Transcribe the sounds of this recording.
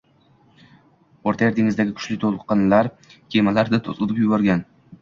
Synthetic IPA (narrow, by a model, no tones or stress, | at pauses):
oɾt̪ʰajeɾd̪ɪŋɪzd̪aɡʲɪkʰʊ̥ʃlɪt̪ʰolˠqɨnlaɾ | kʰʲemalaɾd̪at̪ʰozʊt̪pjʊbɒɾɡʲan